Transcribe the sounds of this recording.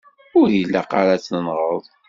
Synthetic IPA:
ʊɾilːaqa̰ɾat͡sːnənʁəðˤ

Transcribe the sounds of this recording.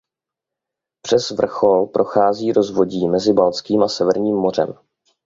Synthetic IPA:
pr̥ɛzvr̩xo̞lpɾʔo̞xaːziːɾo̞zvo̞ɟiːmɛzɪbalt͡skiːmasɛvɛɾɲiːmːo̞r̝ɛ̰m

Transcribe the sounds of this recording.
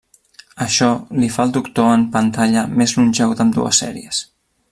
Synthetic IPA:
əʃɔlifaəlˠd̪ukt̪oəmpənt̪aʎəmezlunʲʒɛwd̪əmd̪ṵə̰sːɛ̰ɾḭəs

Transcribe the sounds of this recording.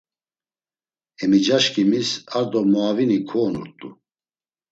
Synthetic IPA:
ɛmid͡ʒaʃkʰʼimisaɾd̪ɔmaːvinikʰɔːnṵɾt̪ʼṵ

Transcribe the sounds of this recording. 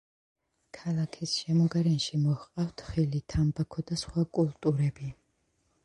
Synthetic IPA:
kʰalˠakʰisʃɛmɔɡaɾɛnʃimɔhqʼaft̪ʰχilit̪ʰambakʰɔd̪asχwakʼulˠt̪ʼuɾɛbi

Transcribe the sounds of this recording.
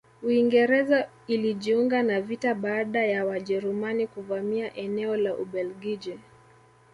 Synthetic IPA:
uiŋɡɛɾɛza | iliʄiuŋɡanavitaɓaːɗajawaʄɛɾumanikuvamiaʔɛnɛɔlaʔuɓɛlɡid͡ʒɛ

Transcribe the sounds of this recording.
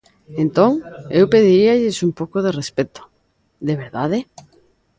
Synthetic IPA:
ent̪oŋewpeðiɾiaʎɪsumpowkoðerespet̪o̥ | ðeβ̞eɾðaðe

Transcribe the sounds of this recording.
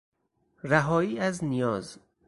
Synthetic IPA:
ræɦɒːiːæznijɒːz

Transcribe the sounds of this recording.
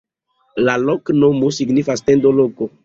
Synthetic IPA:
laloknomosiɡnifastendoloko

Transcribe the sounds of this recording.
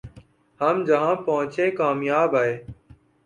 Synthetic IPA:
həmd͡ʒəɦãːpəɦʊ̃t͡ʃẽːkaːmjaːbaːɦeː

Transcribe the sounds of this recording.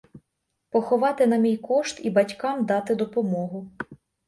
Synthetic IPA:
pɔxɔʋɑt̪ɪnɐmʲijkɔʃt̪ibɐtʲkɑmd̪ɑt̪ɪd̪ɔpɔmɔɦʊ

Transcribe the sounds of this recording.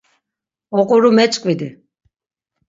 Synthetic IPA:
ɔqʼuɾumɛt͡ʃʼkʼvid̪i

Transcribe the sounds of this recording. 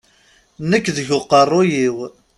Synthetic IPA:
nəkːðəʝʊqːərˤːʊjiw

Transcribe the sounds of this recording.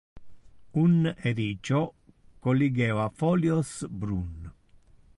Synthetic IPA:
uned̪it͡ʃɔkolːiɡɛːvafɔljɔsbɾun

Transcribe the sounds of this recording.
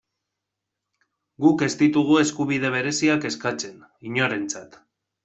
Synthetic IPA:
ɡuke̞st̪it̪uɣ̞ue̞skuβ̞ið̞e̞βe̞ɾe̞siake̞skat͡se̞n | iɲo̞ɾe̞nt͡sat̪

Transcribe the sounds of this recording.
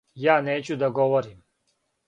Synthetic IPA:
jaːneːt͡ɕud̪aɡɔʋɔɾiːm

